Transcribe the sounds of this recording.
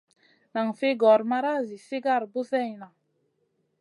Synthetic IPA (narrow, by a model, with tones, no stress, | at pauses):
na˨ŋfe˦ɡɔ˨ɾma˦ɾa˦zi˨se˦ɡa˦˨ɾbo˦sɛ˦˨jna˨